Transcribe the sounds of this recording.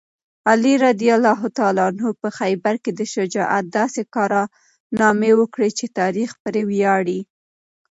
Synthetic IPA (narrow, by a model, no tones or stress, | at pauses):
aliɾad̪ijalɑɦʊt̪ɑlɑnopəxajbaɾked̪əʃɪd͡ʒɑʔa̰t̪̚d̪ɑsekɑɾɑ | nɑmewəkɽet͡ʃet̪ɑɾixpəɾewjɑɽi